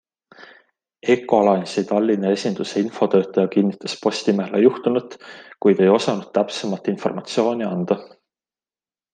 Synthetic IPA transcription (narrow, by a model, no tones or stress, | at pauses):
e̞kːˑo̞lɑjnsit̪ɑlʲːinee̞sʲind̪̥useinfo̞t̪ø̞ːt̪ːˑɑjɑkinːit̪ːˑɑspo̞sʲt̪imæɦelejuht̪unut̪kujd̪e̞jo̞sɑnud̪̥̚t̪æpsemɑlt̪ːˑinfo̞rmɑt̪sio̞ːnʲiɑnd̪̥ɑ